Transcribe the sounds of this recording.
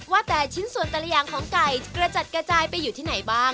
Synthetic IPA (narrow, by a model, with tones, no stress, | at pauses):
waː˥˩t̪ɛː˨˩t͡ɕʰi˦˥nsu˨˩ənt̪a˧la˧jaː˨˧˦ŋkʰɔː˩˦ŋka˨˩jkɾa˧t͡ɕa˨˩t̪̚kɾa˧t͡ɕaː˧jpa˧jːuː˨˩t̪ʰiː˥˩na˩˦jbaː˥˩ŋ